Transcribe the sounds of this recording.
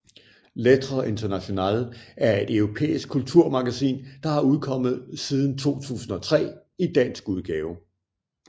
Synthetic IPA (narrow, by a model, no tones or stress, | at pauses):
let͡sʰʁoe̝nd̥ɐnæɕo̝nɛ̰ːlæɐe̝d̥œʊʁo̝pʰḛːisɡ̥̚ʰːult͡sʰuɐ̰mɑ̈ɡ̥æsḭːnd̥ɑ̈hɑ̈uð̞ˠkʰɒ̽m̰ð̩ˠsið̞ˠn̩t͡sʰo̝̰ːt͡sʰṵːsn̩ɒ̽t͡sʰʁɛ̰ː | id̥æn̰sɡ̥uð̞ˠɡ̥ɛːʊ